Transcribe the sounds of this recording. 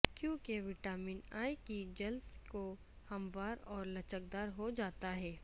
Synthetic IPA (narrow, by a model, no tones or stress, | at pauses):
kjõːkeʋɪʈaːmiːnaːikid͡ʒɐld̪ko | hɐmʋaːɾɔːɾlɐt͡ʃək̚d̪aːɾɦod͡ʒaːt̪aɦɛː